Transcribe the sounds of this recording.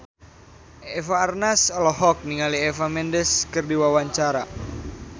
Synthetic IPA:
ɛfaːrnasɔlɔɦɔk̚niŋaliɛfamɛndɛskɨrdiwawaɲt͡ʃaɾa

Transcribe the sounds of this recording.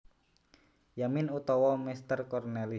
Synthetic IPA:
jaminut̪ɔwɔmist̪ərkɔrnɛli

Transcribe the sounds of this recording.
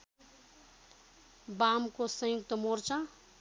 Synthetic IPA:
bamkosʌ̃juk̚t̪əmoɾt͡ʃa

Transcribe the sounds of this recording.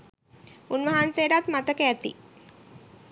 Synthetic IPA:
unʋəɦanseːɖat̪mat̪əkəæt̪ḭ

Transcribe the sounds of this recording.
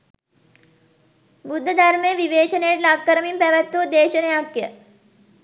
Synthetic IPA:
bud̪ʱːəd̪aɾmejəʋiʋeːt͡ʃənejeʈlakːəɾəmimpæʋæt̪ːud̪eːʃənəjakjə

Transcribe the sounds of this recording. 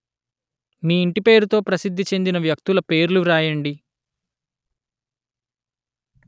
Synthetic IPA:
niːɳʈipe̞ːɾut̪o̞ːpɾɐsid̪ʱːit͡ʃe̞nd̪inɐʋjɐk̚t̪ulɐpe̞ːɾluɾaːjɐɳɖi

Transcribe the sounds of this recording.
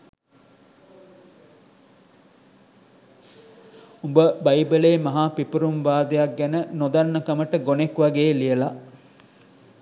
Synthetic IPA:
umbəbɐjbəleːmɐɦaːpipuɾumʋaːd̪ejɐk̚ɡænənod̪ɐnːɐkɐməʈəɡonekʋɐɡeːlijəla

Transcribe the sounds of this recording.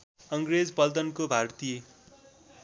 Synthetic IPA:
ʌŋɡɾed͡zbʌld̪ʌnkobʱart̪i

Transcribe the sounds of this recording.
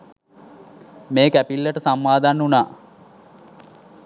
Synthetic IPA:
meːkæpilːəʈəsamːaːd̪anːunaː

